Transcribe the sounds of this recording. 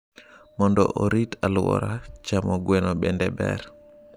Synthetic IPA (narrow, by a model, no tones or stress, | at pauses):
mɔndɔ̰ʔoɾitalwɔ̰ɾat͡ʃamɔɡwɛnɔɓɛndɛbɛ̰ɾ